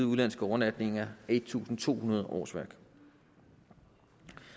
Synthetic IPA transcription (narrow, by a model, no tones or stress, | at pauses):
uðˠlæn̰sɡ̥əɒʊɐlæd̥ne̝ŋɐed̥̚t͡sʰṵːsn̩t͡sʰo̝̰ːhunɐð̞ˠʔɒ̰ːsʋæɐ̰ɡ̥